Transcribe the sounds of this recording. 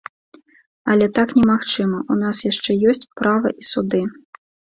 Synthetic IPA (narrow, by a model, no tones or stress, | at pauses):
ɐlʲɛt̪aknʲɛmaxt͡ʂɨmɐʔunasjaʂt͡ʂɛjɔsʲt͡sʲpɾavɐʔisud̪ɨ